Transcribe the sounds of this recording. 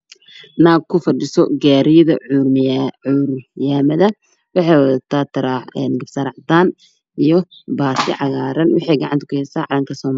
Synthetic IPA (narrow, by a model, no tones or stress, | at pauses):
naːkʰʊfɐɖɪsɔɡaːɾɪjɐðɐ̰ʕururjaːmɐðɐ | wɑħɑjwɐðɐt̪ʰaːt̪ʰɐɾaːħɛnɡɐbsɐɾɐʕt̪aːn | ʔijɔbaːsɪ̰ʕɑɣaːɾɐnwɑ̰ħiːɡɑʕɑ̰nt̪ɐ̥kʰʊhɛsaːʕɑlɐŋkʰɐsɔːma